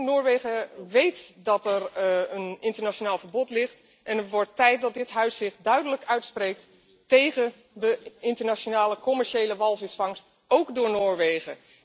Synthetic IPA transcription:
nʊːɹʋejχəʋejtdɑtɛrənɪntəɹnaʃonaːlˠvəɹbɔtlɪχt | ʔɛnətʋɔɹtɛjt̚dɑt̚dɪtɦœɥsɪχtdœɥdələkœɥtsprejk̚t | tejχən | dəɪntəɹnaʃonaːləkɔmɛɹʃejləʋɑlˠvɪsfɑŋst | owkdʊːɹnʊːɹʋejχə̰

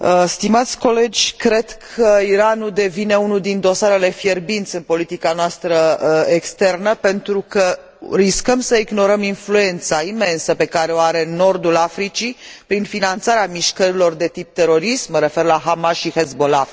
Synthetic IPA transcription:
əst̪imat̪sʲko̞le̞d͡ʒʲkɾe̞d̪kʰəiɾanuld̪e̞vine̞unuld̪ind̪o̞saɾe̞le̞fje̞rbint̪sʲɨnpo̞lit̪ikanoast̪ɾəekst̪e̞rnəpe̞nt̪ɾukə | ɾiskəmsəiɡno̞ɾəminflue̞nt̪saime̞nsəpe̞kaɾeoaɾe̞no̞rd̪ulafɾit͡ʃipɾinfinant̪saɾeamiʃkəɾilo̞rd̪e̞t̪ip̚t̪e̞ɾo̞ɾismməɾe̞fe̞rlaɦamasʃixezbolav

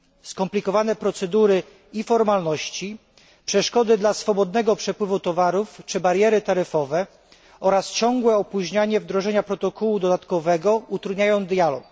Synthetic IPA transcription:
skɔmplʲikɔvanɛpɾɔt̪sɛd̪uɾɘ | ifɔɾmalnɔɕt͡ɕi | pʂɛʂkɔd̪ɘd̪lasfɔbɔd̪nɛɡɔpʂɛpwɘvut̪ɔvaɾuft͡ʂɘbaɾjɛɾɘt̪aɾɘfɔvɛ | ɔɾast͡ɕɔŋɡwɛɔpuʑɲaɲɛvd̪ɾɔʐɛɲapɾɔt̪ɔkʰɔwud̪ɔd̪at̪kɔvɛɡɔut̪ɾud̪ɲajɔw̃d̪jalɔk

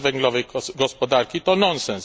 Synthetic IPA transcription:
vɛŋɡlɒveɡɒspod̪aːrkit̪ɒnonsɛns

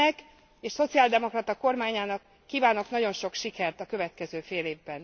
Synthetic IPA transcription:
ɛk | eːʃso̞t̪siaːld̪ɛmo̞krɒt̪ɒko̞rmaːɲaːnɒkːiːvaːno̞knɒɟo̞nʃo̞kʃikɛrt̪ɒkø̞vɛt̪kɛzøːfeːleːvbɛn

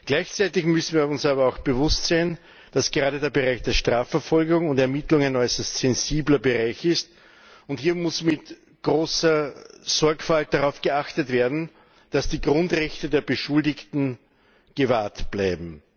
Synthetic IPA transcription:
ɡ̥læɪçt͡sæɪtɪçmʏsn̩viːɐʊnsaːβɐɑʊxb̥əvʊstz̥aɪn | d̥asɡ̥əʁaːdədeːɐbəʁaɪçd̥eːɐʃtʁ̥aːfɛɐfɔlɡʊŋʊntɛɐmɪtlʊŋaɪnɔʏsɐstsɛnziːblɐbəʁaɪçɪst | ʊnthiːɐmʊsmɪt | ɡ̥ʁoːsɐz̥ɔɐkfalt̚d̥aʁɑʊfɡ̥əaxtətv̥eːɐdn̩ | d̥asd̥iːɡʁʊ̃ntʁɛçtədeːɐbəʃʊldɪktn̩ | ɡ̥əvaːɐtb̥laɪbm̩

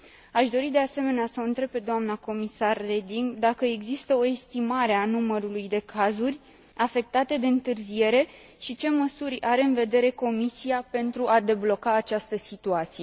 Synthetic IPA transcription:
aʃd̪o̞ɾid̪e̞ase̞me̞neasəont̪ɾe̞b̚pe̞d̪oamnəko̞misarːe̞d̪iŋɡd̪akəe̞ɡzist̪əo̞est̪imaɾe̞anuməɾulujd̪e̞kʰazurʲ | afe̞k̚t̪at̪e̞d̪e̞ɨnt̪ɨrzije̞ɾe̞ | ʃit͡ʃe̞məsuɾʲaɾe̞ɨnve̞d̪e̞ɾe̞ko̞misijape̞nt̪ɾuʔad̪e̞blo̞kaːt͡ʃast̪əsit̪uat̪sije̞

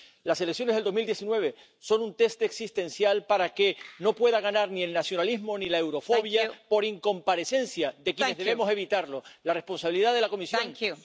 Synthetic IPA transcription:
lase̞leksjo̞neɦðed̪o̞ɦmild̪je̞sinwe̞β̞e̞ | so̞nunt̪e̞st̪eksist̪ẽ̞nsjalpaɾake̞no̞pwe̞ðaɣanaɾnie̞lnasjo̞nalizmo̞nilae̞wɾo̞fo̞βjapo̞ɾiŋko̞mpaɾe̞se̞nsjaðe̞kjenezðeβemose̞β̞it̪aɾlo̞lare̞hpo̞ns̬aβiliðaðe̞lako̞misjoŋ

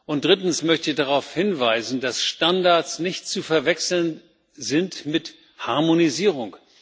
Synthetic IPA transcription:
ʔʊntd̥ʁɪtn̩smœçtɪçd̥aʁaʊfhɪnvaɪzn̩dasʃtandaɐsnɪçtt͡sufɛɐvɛksl̩n | zɪntmɪt | haɐmoniziːʁ̞ʊŋk

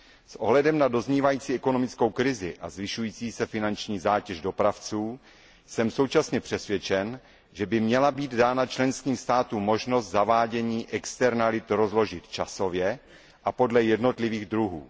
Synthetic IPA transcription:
sʔo̞̰ɦlɛdɛmnado̞zɲiːvajiːt͡siːɛkono̞mɪt͡sko̞wkɾɪzɪʔa̰zvɪʃujiːt͡siːsɛfɪnant͡ʃɲiːzaːcɛʒdo̞pɾaft͡suː | sɛmso̞wt͡ʃasɲɛpr̥ɛsvʲjɛt͡ʃɛn | ʒɛbɪmɲɛlabiːd̪daːnat͡ʃlɛnskiːmst̪aːt̪uːmːo̞ʒno̞st̪zavaːɟɛɲiːʔɛkst̪ɛɾnalɪt̪ɾo̞zlo̞ʒɪt̪t͡ʃaso̞vjɛ | ʔapo̞dlɛjɛdno̞t̪lɪviːɣd̪ɾuɦṵː

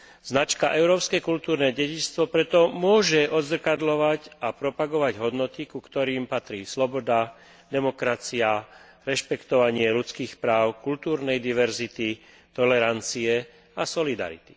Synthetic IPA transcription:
z̥nat͡ʃkaʔɛʊɾɔːpskɛkult̪uːɾnɛɟɛɟist̪ʋɔpɾɛt̪ɔmʊɔʒɛʔɔd̪zr̩kad̪lɔʋacapɾɔpaɡɔʋaɟɦɔd̪nɔt̪ikukt̪ɔɾiːmpat̪ɾiːslɔbɔd̪a | d̪ɛmɔkɾat͡sia | ɾɛʃpɛkt̪ɔʋaɲɪɛlut͡skiːxpɾaːʊkult̪uːɾnɛjd̪iʋɛɾzit̪i | t̪ɔlɛɾant͡siɛ | asɔlid̪a̰ɾḭt̪i̥

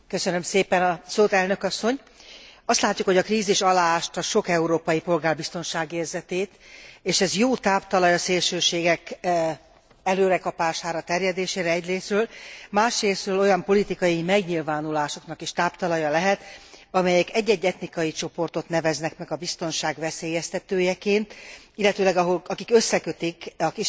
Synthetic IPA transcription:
kø̞sønø̞mseːpɛnɒsoːt̪ɛlnøkɒsːo̞ɲ | ɒst̪laːc̪ːukho̞ɟɒkriːziʃɒlaːʃt̪ɒʃo̞kɛuɾoːpɒjipo̞lɡaːrbist̪o̞nʃaːɡeːrzɛt̪eːt̪eːʃɛzjoːt̪aːpt̪ɒlɒjɒseːlʃøːʃeːɡɛk | ɛløːɾɛkɒpaːʃaːɾɒt̪ɛrjɛd̪eːʃeːɾɛɛɟreːsrøːlmaːʃreːsrøːlo̞jɒmpo̞lit̪ikɒjimɛɡɲilvaːnulaːʃo̞kn̪ɒkiʃt̪aːpt̪ɒlɒjɒlɛɦɛt̪ɒmɛjɛkɛɟːɛɟːɛt̪nikɒjit͡ʃo̞po̞rt̪o̞t̪nɛvɛznɛkmɛɡɒbist̪o̞nʃaːɡvɛseːjɛst̪ɛt̪øːjɛkeːnt̪ilːɛt̪øːlɛɡɒɦolɒkikø̞sːɛkø̞t̪ikɒki

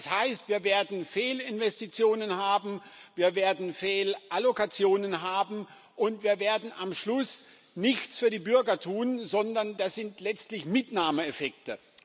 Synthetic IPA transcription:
shaɪstv̥iːɐveːɐdn̩feːlɪnvɛstit͡sjoːnənɦhaːbm̩viːɐveːɐdn̩feːlʔalokat͡sjoːnənɦaːbm̩ | ʔʊntv̥iːɐveːɐdn̩ʔamʃlʊs | nɪçt͡sfyːɐdiːbʏɐɡɐtʰuːnzɔndɐndasz̥ɪntlɛt͡stlɪçmɪtnaːməefɛk̚tə

